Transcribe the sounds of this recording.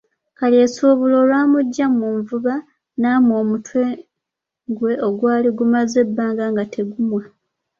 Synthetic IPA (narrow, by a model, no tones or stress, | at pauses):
kalje̞suːβulo̞ːlwaːmuɟːamuːɱvuβa | namo̞ːmutwe | ŋɡwe̞o̞ɡwaːliɡumaze̞bːaːŋɡaŋɡatʰe̞ɡumwa